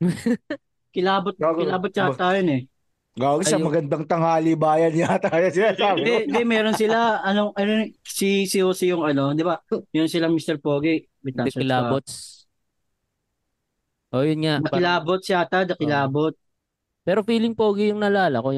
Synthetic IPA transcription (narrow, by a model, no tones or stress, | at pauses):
kɪlaːbot̪̚ɪaːbot̪̚t͡ʃɐt̪aːjonɛ | ɡaɡɐʃɐmɐɡɐnd̪ɐŋt̪ɐŋhaːlibaːjɐnjat̪ajɐsɪasad̪ɛnd̪ɛmɛːɾonsɪlaɐnoʔɐnosisɪoːsɪjʊŋɐno̞d̪ɪbamɛːɾonsɪlɐŋmist̪ɛɾpoːɡɪ | bɪt̪asɐlabo | ʔojʊnŋanɐkɪlaːbot̪̚sɪaːt̪ɐd̪ɐkɪlaːbot̪̚ | pɛːɾofiːlɪŋpoːɡɪjʊŋnɐlaːlɐkoj